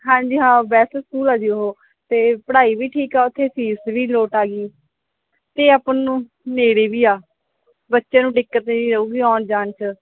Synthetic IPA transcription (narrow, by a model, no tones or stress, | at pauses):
ɦãːɲd͡ʒiːɦãːbɛːsskuːlaːd͡ʒiːoɦoː | t̪eːpəɽaːiːʋiːʈʰiːkaːʊt̪ʰːeːpʰiːsʋiːloːʈaːɡiː | t̪eːaːpnũː | neːɽeːbiːaː | bətːʃãːnũːɖɪkːət̪neːiːɾəuːɡiːɔːnd͡ʒaːnt͡ʃʰə